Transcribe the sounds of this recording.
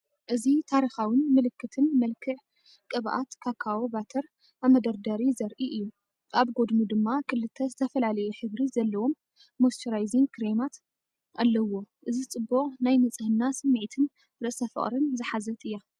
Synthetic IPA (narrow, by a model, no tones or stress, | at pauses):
ʔɨzit̪ʰaɾixawɨnmɨlɨkʰːɨt̪ʰɨnmɐlkʰɨʕ | kʼɨβʔa̰t̪kʰakʰːawobat̪ʰɐɾ | ʔamɐd̪ɐɾd̪aɾizɐɾʔiʔɨjːu | ʔaβɡo̞d̪mud̪ɨmːakʰɨlːɨt̪ʰːɐzɨt̪ʰɐfɐlalɐjuħɨβɾizɐlːɐwo̞mː | ost̪ʰɐɾajziŋkʰɨɾemat̪ | ʔalːɐwo̞ʔɨzit͡sʼɨbːuʔʼnajmɐt͡sʼɨhɨnːasɨmːɨʕt̪ʰɨn | ɾɨʔsʰɐfɨ̰χʼɾɨnzɨħazɐt̪ʰʼɨjːa